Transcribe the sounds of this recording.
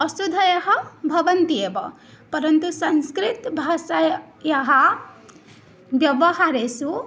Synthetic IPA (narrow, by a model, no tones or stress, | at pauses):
ʌsud̪ʱːɐjɐɦɐbʱɐʋɐnt̪iebʌ | pɐɾənt̪usɐnskɾit̪bʱasa | jɐɦɐ | bjɐʋɐɦaɾesu